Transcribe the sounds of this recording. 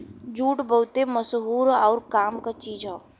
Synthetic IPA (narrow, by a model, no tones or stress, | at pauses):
d͡ʒuːʈbəʊt̪eməsɦuːɾɔːɾkaːmkat͡ʃiːd͡ʒɦɔː